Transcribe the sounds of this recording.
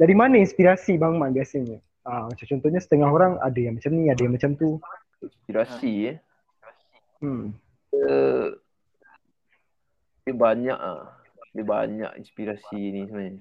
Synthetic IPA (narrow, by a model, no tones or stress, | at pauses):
daɾimanainspiɾasibaŋmanbiasaɲə | amat͡ʃamt͡ʃɔnt̪ɔhɲasə̥t̪əŋaɦoɾaŋa̰dajaŋmat͡ʃamniadajaŋmat͡ʃamt̪u | inspiɾasi | mm | ə | diəbaɲa̰ʔa̰ | dəba̰ɲa̰kḭnspiɾasinisənaɲa